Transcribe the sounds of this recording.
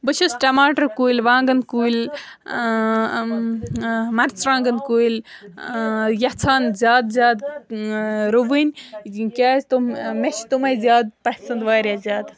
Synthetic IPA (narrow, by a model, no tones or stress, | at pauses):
bɨt͡ʃʰusʈɐmaːʈɐɾkuːilʲʋãːŋɡɐnkuːilʲ | mɐɾt͡sɾãːŋɡɐnkuːil | jɐt͡sʰaːnzʲjaːd̪zʲjaːd̪ | ɾuʋɨnʲkʲaːst̪omet͡ʃʰt̪umɐjzʲjaːd̪̚pɐhsɐnd̪ʋaːɾʲjazʲjaːd̪